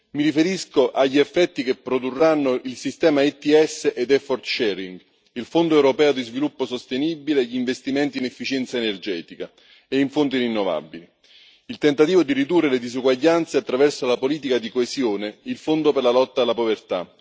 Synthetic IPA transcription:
miɾifeɾiskoʔaʎːiefːɛt̪ːikepːɾod̪urːanːoʔilsist̪ɛːmait̪ːiɛsːeʔed̪ɛfɔrt̪ʃɛɾiŋɡ | ilfond̪oɛwɾopɛːod̪izvilupːosost̪enibileʎːiɱvest̪imɛnt̪inɛfːit͡ʃɛnt̪saenerd͡ʒɛːt̪ika | eiɱfont̪irinːova̰bːili | ilt̪ent̪at̪iːvod̪iɾid̪urːeled̪izuɡwaʎːant̪seat̪ːɾavɛrsolapoliːt̪̬ikad̪ikoezjoːneilfond̪operlalɔt̪ːaːlːapovert̪a̰

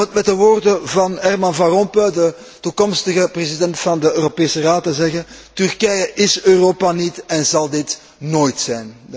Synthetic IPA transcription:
ətmɛtdəʋoːrdəvɑnɛrmɑnvɑrɔmpødə | tukɔmstəɣəprezidɛntfɑndəøːropeːsəraːtəzɛɣəntyrkɛjəʔɪsøːroːpanitɛnzɑlˠdɪt | noːjtsɛjn

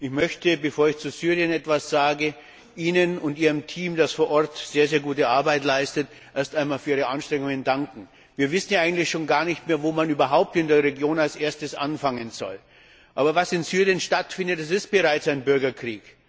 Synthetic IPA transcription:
ʔɪçmœçtəbəfoːɐɪçt͡suzyːʁjənɛtv̥asz̥aːɡə | ʔiːnənʊntiːʁəmtʰiːmdasfoːɐʔɔɐtz̥eːɐzeːɐɡuːtəaɐbaɪtlaɪstət | ʔeːɐstaɪnmaːlfyɐiːʁəʔanʃtʁ̥ɛŋʊŋəndaŋkŋ̩ | viːɐvɪsn̩jaaɪɡŋ̩tlɪçʃoːnɡaːɐnɪçtmeːɐvoːmanyːbɐɦaʊp̚tɪndeːɐʁeɡjoːnalsʔeːɐstəsʔa̰nfaŋənz̥ɔ̰l | ʔaːbɐvasɪnzyːʁijənʃtatfɪndətɛsɪst̚b̥əʁaɪt͡saɪnbʏɐɡɐkʁ̥ḭːk

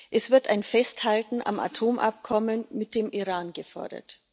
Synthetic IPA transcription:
ʔɛsv̥ɪɐtaɪnfɛsthaltn̩ʔa̰mʔa̰tʰoːmʔa̰p̚kʰɔmənmɪt̚d̥eːmʔiʁaːnɡəfɔ̰ɐdɐ̰t

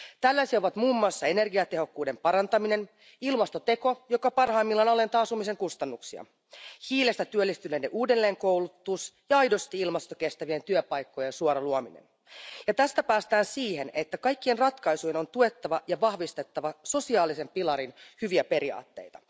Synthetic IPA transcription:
t̪ælːæsiɑoʋɑt̪muːmːoɑːsːɑe̞ne̞rɡiɑt̪e̞ɦo̞kːuːde̞mpɑɾɑnt̪ɑmine̞n | ilmɑst̪o̞t̪e̞ko̞jo̞kɑpɑrhɑimːilːɑnɑle̞nt̪ɑːsumiseŋkust̪ɑnːuksiɑ̰ | hiːle̞st̪æt̪yølːist̪ynendeʔuːde̞lːe̞ːŋko̞wlut̪ːusjɑɑjdo̞st̪iilmɑst̪oke̞st̪æʋie̞nt̪yøpɑjkːojensuoɾɑluominḛn | jɑt̪æst̪æpæːst̪æːnsiːhe̞ne̞t̪ːækɑjkːie̞nrɑt̪kɑjsujeno̞nt̪ue̞t̪ːɑʋɑjɑʋɑhʋist̪e̞t̪ːɑʋɑso̞siɑːlise̞mpilɑɾinhyʋiæpe̞ɾiɑ̰ːt̪ːe̞̰jt̪ɑ̥

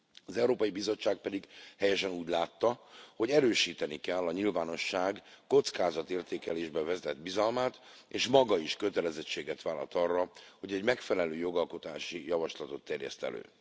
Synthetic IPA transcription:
ɒzɛuɾoːpɒjibizo̞t͡ʃːaːk̚pɛd̪iɡhɛjɛʃɛnuːɟlaːt̪ːɒho̞ɟɛɾøːʃiːt̪ɛnikɛlːɒɲilvaːno̞ʃːaːɡko̞t̪skaːzɒt̪eːrt̪eːkɛleːʒbɛvɛzɛd̪bizɒlmaːt̪ | eːʃmɒɡɒiʃkø̞t̪ɛlɛzɛt͡ʃːeːɡɛt̪ʋaːlːɒ̰lt̪ɒrːɒho̞ɟɛɟmɛkfɛlɛløːjo̞ɡɒlko̞t̪a̰ːʃijɒvɒʃlɒt̪o̞t̪ːɛrjɛ̰st̪ɛ̰lø̰ː

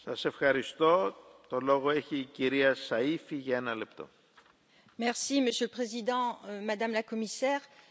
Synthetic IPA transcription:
sɐse̞fxɐɾist̪o̞t̪o̞lo̞ɣoeçiːciɾiɐsɐifiʝɐenɐle̞p̚t̪o̞̰ | mɛʁsiməsjøləpχezid̪ɑ̃mad̪amlakɔmisɛːʁ

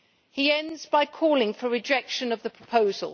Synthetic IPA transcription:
hiɛ̃ndzbaɪkʰɔːlˠɪ̃ŋfəɹɪd͡ʒɛkʃə̃nəvðəpʰɹ̥əpʰəʊzə̰lˠ

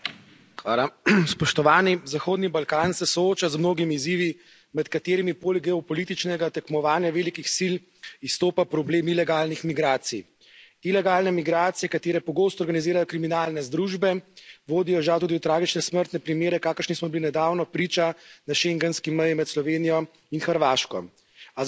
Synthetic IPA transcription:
xʋalaspɔʃt̪ɔʋaːnizaxoːd̪nibalkaːnsɛsɔoːt͡ʃazmnoːɡimiːziːʋi | mɛt̪kat̪eːɾimipoːlɛɡɛɔpɔliːt̪it͡ʃnɛɡat̪ɛkmɔʋaːnjaʋeːlikixsil | ist̪oːpapɾɔbleːmilɛɡaːlnixmiɡɾaːt̪sḭ | ilɛɡaːlnɛmiɡɾaːt̪sijɛkat̪eːɾɛpɔɡoːst̪ɔɾɡaniziːɾajɔkɾiminaːlnɛzd̪ɾuːʒbɛʋoːd̪ijɔʒawt̪uːd̪iwt̪ɾaːɡit͡ʃnɛsməɾt̪nɛpɾimeːɾɛkaːkəɾʃnismɔbilinɛd̪aːwnɔpɾiːt͡ʃanaʃeŋɡɛnskimɛjimɛt̪slɔʋeːnijɔ | inxəɾʋaːʃkɔ̰ | a

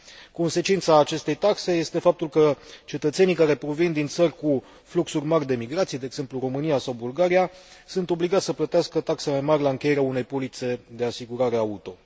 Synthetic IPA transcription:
ko̞nse̞t͡ʃint̪saːt͡ʃe̞st̪e̞jt̪akse̞je̞st̪e̞fap̚t̪ulkət͡ʃe̞t̪ət̪se̞nijkaɾe̞pɾo̞vind̪int̪sərʲku | fluksurʲmarʲd̪e̞miɡɾat̪sijed̪eːɡz̥e̞mpluɾo̞mɨnijasawbulɡaɾijasunt̪o̞bliɡat̪sʲəplət̪easkət̪aksemajmarʲlaɨŋkʲe̞je̞ɾeaune̞jpolit̪se̞d̪e̞asiɡuɾaɾe̞aut̪o̞

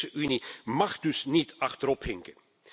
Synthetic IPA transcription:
səʔynimɑχdɵsnitʰɑχtəɾɔphɪŋkə

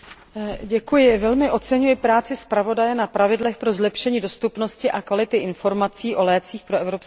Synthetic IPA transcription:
ɟɛkujɪvɛlmɪʔo̞t͡sɛɲujɪpɾaːt͡sɪspɾavo̞dajɛnapɾavɪdlɛxpɾo̞zlɛpʃɛɲiːdo̞st̪upno̞scɪʔakvalɪt̪ɪʔɪnfo̞ɾmat͡siːʔo̞lɛːt͡siːxpɾoɛvɾo̞ps

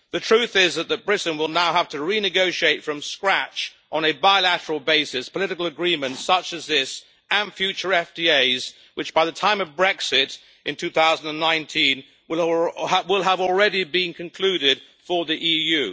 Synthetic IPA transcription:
ðɨtʰɹ̥ʉθɪzðɨt̪̚ðɨt̚b̥ɹɪʔn̩wɪlˠnaʊɦæftʰɨɹinɨɡoʊʃieɪtfɹʌ̃mskɹæt͡ʃ | ʔn̩ɨbaɪlæɾə˞l̩ˠbeɪsɨspʰəlɪɾɨkl̩ˠəɡɹĩmɨ̃ntsʌt͡ʃɨzðɪs | ɨ̃nfjʉt͡ʃə˞ɛfd̥ieɪz | wɨt͡ʃb̥aɪðɨtʰãɪ̃mʌvbɹɛksɪɾ | ʔɨ̃ntʰʉθaʊzn̩də̃nːãɪ̃ntʰĩn | w | wɪlˠəvl̩ˠɹɛɾibɪ̃nkʰɨ̃nkʰl̥ʉɾɪd̥ | fə˞ðiʔijʉ

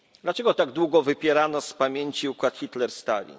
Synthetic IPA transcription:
d̪lat͡ʂɛɡɔt̪aɡd̪wuɡɔvɘpʲjɛɾanɔspamʲjeɲt͡ɕiukwat̪xʲit̪lɛɾst̪a̰vʲḭ

